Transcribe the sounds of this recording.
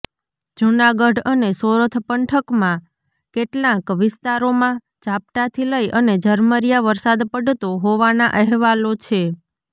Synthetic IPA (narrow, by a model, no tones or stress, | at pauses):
d͡ʒunaɡəɖənesoɾət̪ʰpəɳʈʰəkmã | keʈlãkʋɪst̪aɾomã | d͡ʒap̚ʈat̪ʰiləiʔəned͡ʒəɾməɾijaʋəɾsad̪pəɖt̪oɦoʋanaʔəɦʋalot͡ʃʰe